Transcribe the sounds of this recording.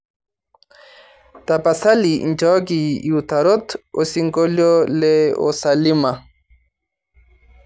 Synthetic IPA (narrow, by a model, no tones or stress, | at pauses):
t̪apasalḭnt͡ʃak̬iːut̪aɾot̪osiŋkoljoleo̰salima